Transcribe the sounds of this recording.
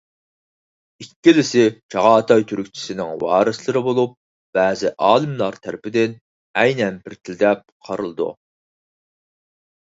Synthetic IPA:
ikʲːilɪsɪt͡ʃʰɑʁɑːt̪ʰɑjt̪ʰyɾykʲt͡ʃʰi̥sɪnɪŋwɑ̰ːɾɨslˠɨɾɪbolˠup̚ | b̥æːzɪʔɑːlˠɨmlˠɑɾt̪ʰæɾɪpɪd̪ɪn | ɛjnɛnbɪɾt̪ʰɪld̪ɛp̚qʰɑɾɨlˠɨd̪ṵ

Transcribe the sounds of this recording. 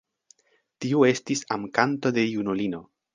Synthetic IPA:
tiue̞stisamkanto̞de̞junulino̞

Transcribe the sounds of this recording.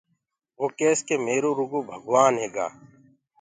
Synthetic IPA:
ʋoːkeːskeːmeːɾoːɾʊɡoːbʱəɡʋaːnɦeːɡa̰ː

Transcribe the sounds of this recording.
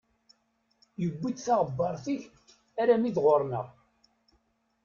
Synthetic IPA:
jəɡʷːid̪θɑʁəbːɑɾˤθiç | aɾæmiðʁoɾˤnə̰ʁ

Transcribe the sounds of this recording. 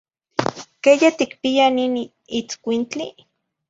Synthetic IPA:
kejet̪ikpianin | it͡skʷint͡ɬi

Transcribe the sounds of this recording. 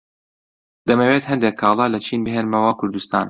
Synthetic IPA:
d̪̥ɐmɐwet̪hɐnd̪ekʰːɑːlˠɑːlɐt͡ʃʰiːnbɨɦeːnmɐwɐkʰʊɾd̪ust̪a̰ːn

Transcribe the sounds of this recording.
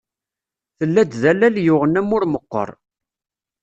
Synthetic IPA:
θəlːæd̪ðælːæljʊʁənæmːʊɾməqːə̰ɾˤ

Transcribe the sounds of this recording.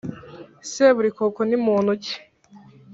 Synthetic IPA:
seβuɾikokonimuːnuci̥

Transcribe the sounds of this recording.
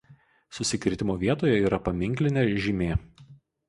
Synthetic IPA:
sʊsʲɪkʲɾʲt̪ʲɪmoːʋʲiɛt̪oːjɛiːɾɐpɐmʲɪŋʲˑklʲɪnʲeːʒʲimʲeː

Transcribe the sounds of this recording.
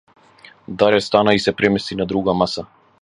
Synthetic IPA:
d̪alɛst̪anaisɛpɾɛmɛst̪inad̪ɾuɡamasa

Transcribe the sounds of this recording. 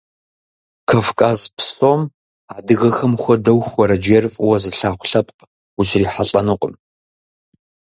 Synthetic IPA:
kʰafkʼaːzpʰsoːm | aːdɨɣɐxɐmxʷɔdɐwxwʷɔɾɐd͡ʒeːrfʼwɐzɨɬaːχʷɬɐpʼq | ʊɕʰriːħaɬʼɐnɨqʼəm

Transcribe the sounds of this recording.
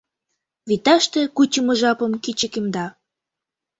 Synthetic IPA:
βit̪ɑʃt̪ĕkut͡ɕə̆mɤ̆ʒɑpə̆mkit͡ɕəkemd̪ɑ

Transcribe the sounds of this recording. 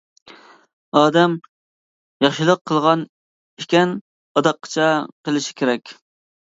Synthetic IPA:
ɑːd̪ɛm | jɑχʃilˠəqʰːəlˠʁɑn | ɪkʲɛn | ɑd̪ɑqʰːɑ̥t͡ʃʰɛqʰəlˠɪʃɪ̥kʲeɾɛkʲ

